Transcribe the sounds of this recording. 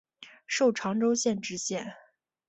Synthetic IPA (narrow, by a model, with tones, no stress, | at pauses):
ʂo˥˩ʊʈ͡ʂʰɑ˧˥ŋʈ͡ʂo˥ʊɕjɛ˥˧nʈ͡ʂɻ̩˥ɕjɛ˥˩n